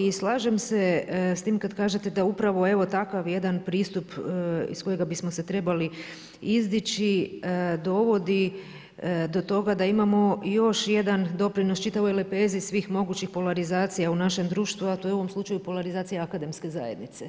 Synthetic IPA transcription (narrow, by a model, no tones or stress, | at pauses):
islˠaːʒe̞mse̞st̪iːmkad̪kaːʒe̞t̪e̞d̪aupɾaʋo̞e̞ʋo̞t̪akaʋje̞d̪anpɾiːst̪upḭsko̞je̞ɡabismo̞se̞t̪ɾe̞bali | izd̪it͡ʃid̪o̞ʋo̞d̪i | d̪o̞t̪o̞ɡad̪aimamo̞jo̞ʃje̞d̪and̪o̞pɾino̞st͡ʃit̪aʋo̞jlepe̞ːzisʋiːxmo̞ɡut͡ʃixpo̞laɾizaːt̪sijaunaʃe̞md̪ɾuːʃt̪ʋuat̪o̞jeuoʋo̞mslˠut͡ʃajupo̞laɾizaːt̪sijaakad̪e̞mske̞za̰je̞d̪nit̪se̞